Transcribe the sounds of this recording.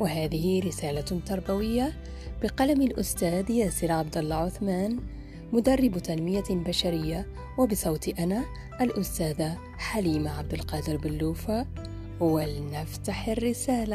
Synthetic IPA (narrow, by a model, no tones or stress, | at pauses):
wɪɦaːðɪhiɾɪsaːlat̪ɑɾˤbawɪjːa | b̥ɪqɑlamɪlʔʊst̪aːd̪jaːsɪɾʕabd̪alːɑʕʊθmaːn | mʊd̪ɑrˤːɪbt̪anmɪjabaʃaɾɪjːa | wɪbɪsˤɑwt̪iʔana | ʔalʔʊst̪aːða | ħaliːmaʕabd̪ɪlqɑːd̪ɪɾbɪlːuːfa | walnaft̪aħɪrːɪsaːla